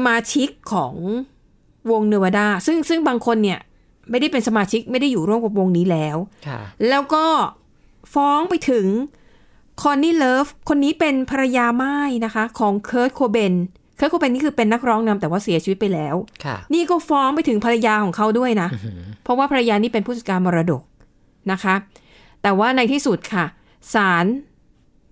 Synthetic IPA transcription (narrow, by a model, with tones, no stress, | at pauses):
sa˧maː˧t͡ɕʰi˦˥kʰːɔː˩˦ŋ | wo˧ŋnɯ˧wa˧daː˥˩sɯ˥˩ŋsɯ˥˩ŋbaː˧ŋkʰo˧nːi˥˩ɐ | ma˥˩jda˥˩jpe˧nsa˧maː˧t͡ɕʰi˦˥k̚ma˥˩jda˥˩jːuː˨˩ɾu˥˩əmka˨˩wo˧ŋniː˦˥lɛː˦˥wʰlɛː˦˥wkɔː˥˩ | fɔː˦˥ŋpa˧jt̪ʰɯ˨˩˦ŋ | kʰɔː˧nːiː˥˩lɤː˦˥fkʰo˧nːiː˦˥pe˧npʰa˧ɾa˧jaː˧ma˥˩jna˦˥kʰa˦˥kʰɔː˩˦ŋkʰɤː˦˥t̪̚kʰoː˧be˧n | kʰɤː˦˥t̚kʰo˧be˧niː˦˥˩kʰɯː˧pe˧nːa˦˥k̚ɾɔː˦˥ŋna˧mt̪ɛː˨˩waː˥˩si˨˩˦t͡ɕʰi˧˦t̪̚pa˧jlɛː˦˥wʰniː˥˩kɔː˥˩fɔː˦˥ŋpa˧jt̪ʰɯ˨˩˦ŋpʰa˧ɾa˧jaː˧kʰɔː˩˦ŋkʰa˦˥wdu˥˩əjna˦˥ʔpʰɔ˦˥waː˥˩pʰa˧ɾa˧jaː˧niː˦˥pe˧npʰu˥˩sa˨˩kaː˧nmɔː˧ɾa˧do˨˩k̚ | na˦˥kʰa˦˥ | t̪ɛː˨˩waː˥˩na˧jt̪ʰiː˥˩su˨˩t̪̚kʰa˥˩ | saː˩˦n